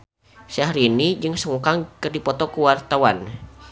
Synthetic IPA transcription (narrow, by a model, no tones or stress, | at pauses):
sahɾinid͡ʒɨŋsəŋukaŋkɨrdipɔt̪ɔkuwart̪awan